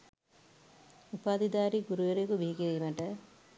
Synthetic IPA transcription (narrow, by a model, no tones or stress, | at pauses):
upaːd̪id̪aːɾiɡuɾuʋeɾekuʋiɦikeeimɐʈɐ